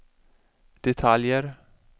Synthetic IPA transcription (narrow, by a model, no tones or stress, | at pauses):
d̪̥ɛt̪ʰaljəɾ